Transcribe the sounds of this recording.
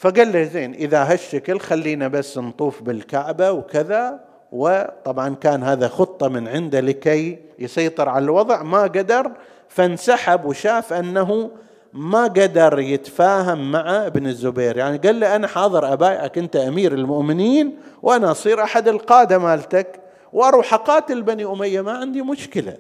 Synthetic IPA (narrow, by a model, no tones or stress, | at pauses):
faɡalːazeːnʔɪðaɦaʃːaklxalːiːnabasːnt̪ˤuːfbɪlkaʕbawkɪða | wɪt̪ˤɑbʕɑnkaːnhaːðaxʊt̪ˤːɑmɪnʕɪnd̪alɪkajjsˤɑjt̪ˤɨɾʕalalwɑðˤʕmaɡad̪ɑɾˤ | fansaħabwʃaːfʔanːaɦu | maɡad̪ɑɾˤjɪt̪faːɦamːaʕaʔɪbnɪzːʊbeːɾjaʕniɡalːiʔanaħɑːðˤɨɾʔabaːjʔakʔɪnt̪aʔamiːɾɪlmʊʔmɪniːn | wʔanaʔɑsˤiːɾʔaħad̪ɪlqɑːd̪amaːlt̪ak | wʔɑɾˤuħaqɑːt̪ɪlbaniʔʊmajːamaʕɪnd̪imʊʃkɪla̰